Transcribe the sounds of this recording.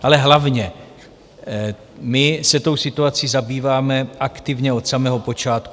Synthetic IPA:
ʔalɛɦlavɲɛ | mɪsɛt̪o̞wsɪt̪uat͡siːzabiːvaːmɛʔakt̪ɪvɲɛo̞t̪samɛɦo̞po̞t͡ʃaːt̪ku

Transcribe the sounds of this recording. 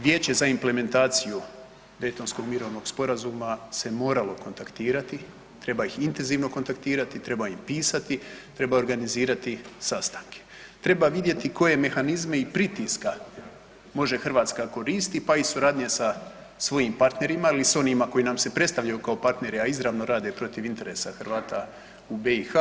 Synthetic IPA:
ʋje̞ːt͡ɕe̞zaimple̞me̞nt̪aːt̪siju | d̪e̞jt̪o̞nsko̞ɡmiɾo̞ʋno̞ɡ̥spo̞ɾazuːmase̞mo̞ːɾalo̞ko̞nt̪akt̪iːɾat̪i | t̪ɾe̞baixint̪e̞nziːʋno̞ko̞nt̪akt̪iːɾat̪it̪ɾe̞baimpiːsat̪it̪ɾe̞bao̞ɾɡaniziːɾat̪isast̪aŋkʰe̥ | t̪ɾe̞baʋid̪je̞t̪iko̞je̞me̞xanizme̞ipɾit̪iska | mo̞ʒe̞xr̩ʋaːt̪skako̞ɾiːst̪ipaisuɾaːd̪ɲesa | sʋo̞jimpaɾt̪ne̞ɾimailiso̞nimako̞inamse̞pɾet̪st̪aʋʎajukaopaɾt̪ne̞ɾiaizɾaʋno̞ɾaːd̪e̞pɾo̞t̪iʋint̪e̞ɾe̞saxrʋaːt̪a | ube̞ixa

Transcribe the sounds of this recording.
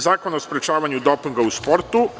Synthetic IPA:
zaːkonaospɾet͡ʃaːʋaɲud̪o̞piŋɡauspo̞ɾt̪u

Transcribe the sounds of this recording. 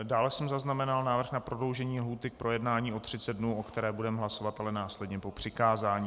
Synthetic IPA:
daːlɛsɛmzaznamɛnalnaːvr̩xnapɾodlo̞wʒɛɲiːlɦuːt̪ɪk̚pɾʔo̞jɛdnaːɲiːʔo̞t̪r̥ɪt͡sɛd̪̚dnuːʔo̞kt̪ɛɾɛːbudɛmɦlaso̞vat̪alɛnaːslɛdɲɛpo̞pr̝̥ɪkaːzaːɲiː

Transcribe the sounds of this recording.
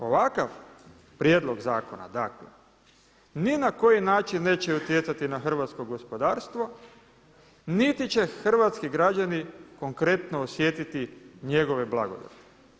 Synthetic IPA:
o̞ʋakaʋ | pɾjeːd̪lˠo̞ɡzaːkona̰d̪aklḛ | ninako̞jinaːt͡ʃinːe̞ːt͡ɕeut̪jet̪sat̪inaxr̩ʋat̪sko̞ɡo̞spo̞d̪aːɾst̪ʋo̞ | nit̪it͡ɕe̞xr̩ʋat̪skiɡɾad͡ʑaniko̞ŋkɾe̞t̪noːsje̞t̪it̪iɲe̞ɡo̞ʋeblaɡo̞̰d̪a̰t̪e̥

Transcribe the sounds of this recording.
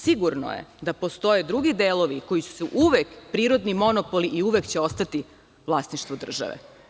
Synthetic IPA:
siɡuɾno̰jḛd̪apo̞st̪o̞jed̪ɾuɡid̪eːlo̞ʋiko̞jisu̥suʔuʋekpɾiːɾo̞d̪nimo̞nopoliʔiuʋekt͡ɕeo̞st̪at̪i | ʋlˠasniʃt̪vʋod̪r̩ʒa̰ʋḛ

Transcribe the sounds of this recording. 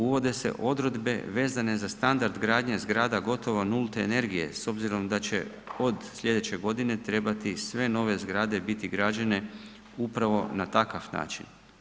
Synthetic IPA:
uʋo̞d̪e̞se̞̰ʔo̞d̪ɾo̞d̪be̞̰ʋe̞ːzane̞zast̪and̪aɾd̪ɡɾaːd̪ɲezɡɾaːd̪aɡo̞t̪o̞ʋonulˠt̪eene̞ɾɡije̞̰so̞bziɾo̞md̪at͡ɕe̞̰ | o̞d̪sʎʲe̞d̪e̞t͡ɕe̞ɡo̞d̪ine̞t̪ɾe̞bat̪isʋe̞no̞ʋe̞zɡɾaːd̪e̞bit̪iɡɾad͡ʒane̞ | upɾaʋo̞nat̪akaʋna̰ːt͡ʃḭn

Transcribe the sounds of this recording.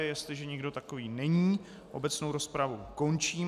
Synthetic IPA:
ɪjɛst̪lɪʒɛɲɪɡdo̞t̪ako̞viːnɛɲiː | ʔo̞̰bɛt͡sno̞wɾo̞spɾavuko̞nt͡ʃiːm

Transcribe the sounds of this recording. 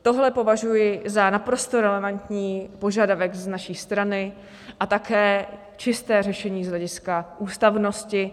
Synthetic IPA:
t̪o̞ɦlɛpo̞vaʒujɪzanapɾo̞st̪oɾɛlɛvant̪ɲiːpo̞ʒadavɛɡznaʃiːst̪ɾanɪ | ʔat̪akɛː | t͡ʃɪst̪ɛːrɛʃɛɲiːzɦlɛɟɪskaʔuːst̪avno̞scɪ

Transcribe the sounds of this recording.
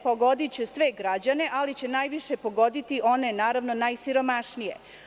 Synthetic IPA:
poɡo̞d̪it͡ɕusʋe̞ɡɾad͡ʑane̞ʔalit͡ɕe̞najʋiʃe̞po̞ɡo̞d̪it̪iʔo̞nenaːɾaʋno̞najsiɾo̞maʃnije̞̰

